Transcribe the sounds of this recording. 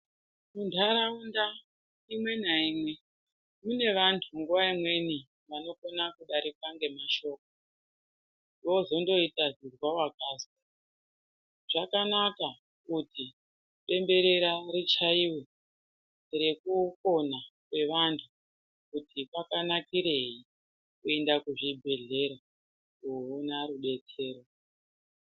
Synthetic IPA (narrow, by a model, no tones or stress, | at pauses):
mundʰʱaɾaunda | imwe̞naimwe̞ | mune̞ʋantʰuŋɡuʋaimwe̞ni | ʋano̞konakuɗaɾikaŋɡe̞maʃo̞ːk̚o | no̞zo̞ndo̞itazirwawakaːsi | ʐ̥akanaka | kuti | ɓe̞mbe̞ɾe̞ɾaɾit͡ʃaiwe | re̞kuko̞nakwe̞ʋantʰu | kutʰipakanakiɾeɦi | kue̞ndakuʐibʱe̞ɮe̞ɾa | uonaɾuɓe̞tʰe̞ːɾo